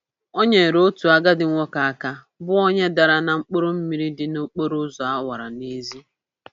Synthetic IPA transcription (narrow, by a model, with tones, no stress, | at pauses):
o˦ɲe˨ɾo˦tu˨a˨ɡa˦dɪ˨ŋʷɔ˦ka˨a˨ka˦ | bʊ˦o˦ɲe˦da˨ɾa˨na˨ŋ͡m̩˦k͡po˦ɾo˦m̩˦mi˦ɾi˦dɪ˦no˦k͡po˦ɾo˦zɔ˨a˦wa˨ɾa˨ne˦zi˦